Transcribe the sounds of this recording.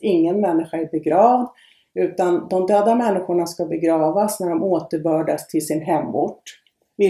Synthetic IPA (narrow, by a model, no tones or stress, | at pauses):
ɪŋːənmɛnːɪɧaɛɾbɛɡɾɑːvd̪ | ʉ̟ːt̪and̪ɔmd̪œːd̪amɛnːɪɧʊɳaskabɛɡɾɑːvasnæɖɔmoːt̪əɾbœːɖast̪ʰɪlsɪnɦɛmːṵʈː | vɪ